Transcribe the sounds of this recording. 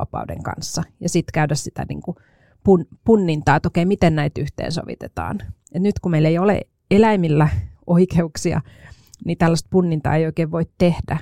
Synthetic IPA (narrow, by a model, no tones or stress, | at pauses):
ɑ̰pɑ̰udḛŋkɑ̰nsːɑjɑsit̪kæydæssit̪æ̰nḭːŋku | punpunːint̪ɑːt̪okeimit̪ennæit̪yht̪ḛːnso̰ʋḭt̪et̪ɑ̰ːn | et̪nyt̪kumeileijolḛ | elæimilːæʔoikeuksiɑ̰ | nit̪ælːæst̪̚punːint̪ɑ̰ːeijoikeːʋʋoit̪t̪ehdæ